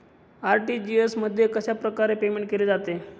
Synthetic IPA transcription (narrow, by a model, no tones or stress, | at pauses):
aɾʈiːd͡ʑiesməd̪ʱːjekəɕapɾəkaɾepemeɳʈ̚keled͡zat̪e